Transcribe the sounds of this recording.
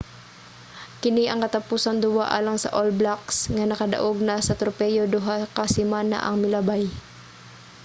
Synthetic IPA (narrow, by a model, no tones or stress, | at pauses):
kɪniʔɐŋkɐt̪ɐpuːsɐnd̪ʊwaʔa̰ːlɐŋsɐ̰ʔolblaksŋanɐkɐd̪ɐ̰ʔoɡ̚nɐsɐt̪ɾopɛjod̪ʊɦakɐsɪmaːna̰ʔɐŋmɪlabaj